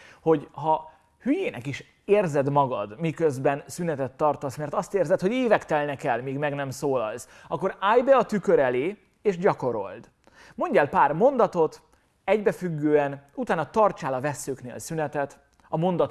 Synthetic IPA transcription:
ho̞ɟɦɒ | hyjeːnʔɛ̰kiʃ | eːrzɛd̪mɒɡɒ̰d̪mikøzbɛnsynɛt̪ɛt̪ːɒrt̪osmɛrt̪ɒst̪eːrzɛt̪ho̞ɟeːvɛkt̪ɛlnɛkɛlmiːɡmɛɡnɛmsoːlɒ̰ls | ɒkːo̞ɾaːjbɛɒt̪ykøɾɛleː | eːʒɟɒko̞ɾo̞̰ld̪ | mo̞ɲɟɛːlpaːrmo̞nd̪ɒt̪o̞t̪ | ɛɟbɛfyɡːøːɛnut̪aːnɒt̪ɒrt͡ʃaːlɒvɛsːøːknḛːlsynɛt̪ɛt̪ | ɒmo̞nd̪ɒt̪

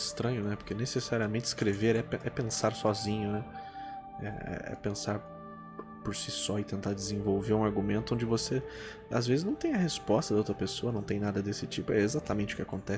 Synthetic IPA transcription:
st̪ɾɐ̃ɲʊnɛpoɾkenesesaɾiɐmẽntt͡ʃɪ̥skɾeveɾɛpʔɛpẽsaɾsɔzĩɲʊnɛ | ɛ̰ɛ̰ɛ̰pẽsaɾ | poɾsisɔɪt̪ẽnt̪aɾd͡ʒɪzẽvowveɾũaɾɡumẽnt̪ʊõd͡ʒɪvose | azvezɪznɐ̃w̃t̪ẽj̃ɐhespɔst̪ɐd̪ɐowt̪ɾɐpesoɐnɐ̃w̃t̪ẽj̃nad̪ɐd̪esɪt͡ʃipʊɛezat̪ɐmẽnt͡ʃɪʊkɪakõnt̪ɛ

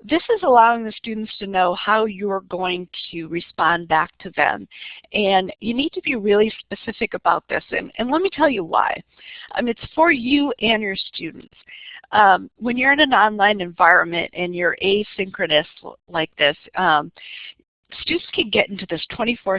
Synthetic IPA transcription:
ðɪsɨzəlaʊɪ̃ŋðɨstʉdⁿn̩tstʰɨnoʊhaʊjə˞ɡoʊɪ̃ŋtʰɨɹɨspɑ̃nbæk̚tʰɨðɨ̰̃mʔɨ̃njɨnid̚tʰɨbiɹɪlˠispɨsɪfɨkɨbaʊt̪̚ðɪ̰sɨ̰̃nɨ̰̃nlɛt̚mitʰɛlˠjɨwa̰ɪ | ʔʌ̰ɨtsfə˞jʉʔɨ̃njə˞stʉdⁿn̩tsʔʌ̃mwə̃njə˞ɨ̃nɨ̃nɑ̃nlãɪ̃nɨ̃ɱvaɪɹɨ̃nmɨ̰̃ntɨ̃njə˞ʔeɪsɪ̃ŋkɹɨɾɨslaɪk̚ðɪsʌ̃m | stʉdⁿn̩tskʰɨ̃nɡɛɾʔɪ̃ntʉðɪstʰw̥ɛ̃ɾ̃ifɔ

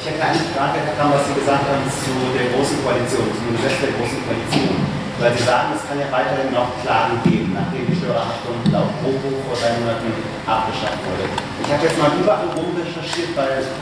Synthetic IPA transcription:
ɪçhɛtəaɪnəfʁ̥aːɡəkʰaːmnvasz̥iːɡəzaːk̚thaːbm̩t͡sudeːɐɡʁoːsn̩kʰoalit͡sjoːnt͡sumanifɛstd̥eːɐɡʁoːsn̩kʰoalit͡sjoːn | vaɪlziːzaːɡŋ̩ɛskʰanjaːvaɪtɐhɪnːɔχkʰl̥aːɡŋ̩ɡeːbm̩naχd̥eːmdiʃd̥øːʁɐɐʃtʊndn̩a̰ʊfʁ̥oːbuːxfoːɐdʁaɪmoːnatn̩ | ʔap̚ɡ̥əʃaftv̥ʊɐdə̰ʔɪçhaːbəjɛt͡stmaːlʔyːbɐʔaɪnʁomʁɛʃɐʃiːɐtv̥aɪl

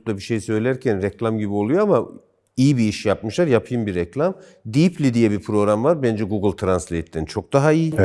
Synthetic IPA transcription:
labiʃejsø̞jlʲæɾcʰænɾɛclʲˠamɟibio̞lˠujoama | ijibiiʃjap̚mɯʃlˠaɾjapʰɯjɯmbiɾɛclʲˠam | d̪iplʲid̪ijɛbipʰɾo̞ɡɾamvaɾbænd͡ʒɛɡuɡɯlˠt̪ʰɾanslʲejt̪lint͡ʃʰo̞k̚d̪aɦaij

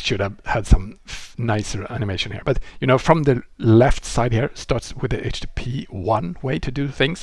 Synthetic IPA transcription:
ʃʊɾɨvhɨd̥sʌ̃mnaɪsə˞æ̰nɨmeɪʃɨ̃n̩hḭɹb̥ʌt̚jɨñoʊfɹʌ̃mðɨlɛftsaɪd̚hiɹstɑɹtswɨðiʔeɪt͡ʃd̥ipʰiwʌ̃nweɪɾʰɨdɨθɪ̃ŋz̥

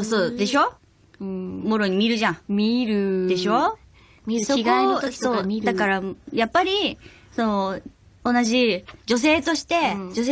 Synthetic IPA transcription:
osoːd̪e̞ɕo̞ | mo̞ɾo̞ɲ̟imʲiɾɯ̟ʑãiɾd̪e̞ɕo | skosoːd̪akaɾajapːaɾʲi | sono | onaʑid͡ʑo̞s̬e̞ːt̪o̞ɕi̥t̪e̞d͡ʑos

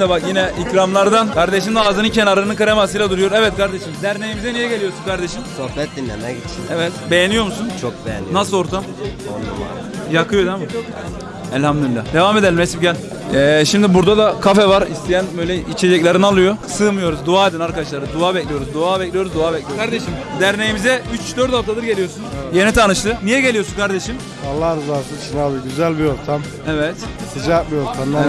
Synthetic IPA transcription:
d̪bakjinɛicɾamlˠaɾd̪ankʰaɾd̪eʃimd̪aaːzɯnɯncʰenaɾˠɯnɯnkʰaɾemasɯjlʲˠad̪uɾujo̞ɾɛvɛt̪kaɾd̪eʃimd̪æɾne̞jimizɛnijɛɟelʲijosunkʰaɾd̪eʃimsohpɛt̪̚d̪inːḛmɛɡit͡ʃʰiɛvɛt̪bejenijo̞ɾmusunt͡ʃʰonasɯlˠo̞ɾt̪ʰam̰ | jakʰɯjo̞d̪ema | ɛlʲhamd̪uilʲːa̰d̪evaːmed̪elʲimɛsipɟælʲ | ɛːʃimd̪ibuɾd̪ad̪akʰafɛvaɾist̪ʰijænbø̞jlʲɛit͡ʃʰed͡ʒɛclʲeɾinalˠɯjo̞sɯmɯjo̞ɾuzd̪uaːed̪inaɾkad̪aʃlˠaɾɯd̪uaːbɛclʲijo̞ɾuzd̪uaːbɛclʲijo̞ɾuzd̪uaːbɛclʲioaɾd̪eʃimd̪æɾne̞jimizɛyt͡ʃd̪øɾt̪aft̪ʰad̪ɯɾɟe̞lʲijo̞sunje̞nit̪ʰanɯʃlˠɯnijɛɟe̞lʲijo̞sunkʰaɾd̪eʃim | alˠːaɾɯzasɯt͡ʃinabiɡyzælʲbio̞ɾt̪ʰam | ɛvɛt̪ | sid͡ʒaːk̪mioɾt̪ʰamla

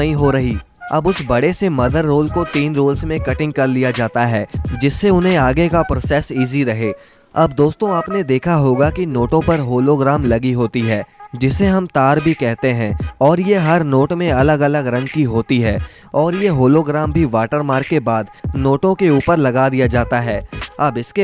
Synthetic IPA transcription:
ɐɦĩɦoɾɐɦi | ɐ̰bʊsbɐɽesemɐd̪ʱəɾːoːlkot̪iːnɾoːlsmẽkɐʈɪ̃ŋɡ̚kɐɾlijad͡ʒaːt̪aɦɛːd͡ʒɪsːeʊnɦẽaːɡekapɾoːsɛːsiːziɾɐɦeː | ɐ̰b̚d̪oːst̪õaːpned̪eːkʰaɦoːɡakinoːʈõpɐɾɦoːloɡɾaːmlɐɡiɦoːt̪iɦɛːd͡ʒɪsːeɦɐmt̪aːɾbʱikɛɦt̪eɦɛ̃ɔːɾjeɦɐɾnoːʈmẽɐləɡɐləɡɾɐ̃ŋɡkiɦoːt̪iɦɛː | ɔːɾjeɦoːloɡɾaːmbʱiʋaːʈəɾmaːɾkːebaːd̪noːʈõkeuːpəɾlɐɡad̪ijad͡ʒaːt̪aɦɛːɐbɪske

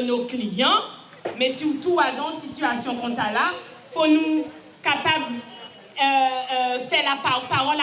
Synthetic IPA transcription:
noklijɑ̃ | mɛsyʁt̪uad̪ɑ̃sit̪yasjɔ̃kɔ̃t̪ala | fonu | kapabl | fɛʁlapapaʁɔl

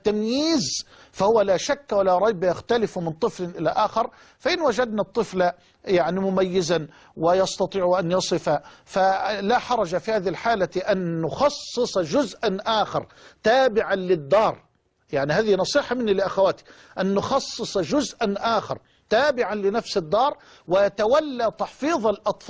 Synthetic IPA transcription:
t̪ːamjiːz | fahʊwːalaʃakːwalaɾˤɑjbajaxt̪alɪfmɪnt̪ˤɨflʔɪlaʔaːxɪɾˤ | faʔɪnwad͡ʒad̪nat̪ˤːɨfla | jaʕnimʊmajːɪzan | wɪjɑst̪ɑt̪ˤiːʕʔanjɑsˤɨfafalaħɑɾˤɑd͡ʒafihaːðɪhɪlħaːlaʔanːʊxɑsˤːɨsˤɑʒʊzʔanʔaːxɪ̰ɾˤ | t̪aːbɪʕanlɪd̪ːɑːɾˤ | jaʕnihaːðinɑsˤiːħɑmɪnːilɪʔaxawaːt̪i̥ | ʔanːʊxɑsˤːɨsˤɑʒʊzʔanʔaːxɪ̰ɾˤ | t̪aːbɪʕanlɪnafsɪd̪ːɑːɾˤ | wɪt̪awalːat̪ɑħfiːðˤalʔɑt̪ˤf

